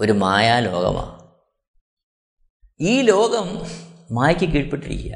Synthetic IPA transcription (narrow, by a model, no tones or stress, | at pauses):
oɾumaːjaːlo̞̰ːɣɐ̰ma̰ː | iːlo̞ːɡɐmːaːjɐkʲːɨk̬iːɻpeʈːiɾḭkʲːija̰